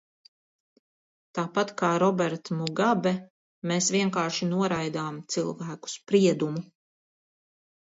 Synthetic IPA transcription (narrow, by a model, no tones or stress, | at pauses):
t̪aːpat̪kaːɾɔbɛɾt̪muɡabɛ | meːsʋiɛŋkaːʃinuɔɾajd̪aːmt̪silˠvæːku̥spɾiɛd̪umu